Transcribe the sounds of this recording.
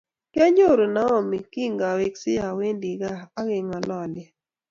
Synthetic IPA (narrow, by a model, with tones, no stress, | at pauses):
kja˦ɲo˦˨ɾo˨na˨˦ɔ˦˨mi˨ki˦ŋɡa˨we˨ksɪ˦ja˨we˦ndi˨ɡaː˦ɣe˨ŋa˨lɔ˨lɛ˨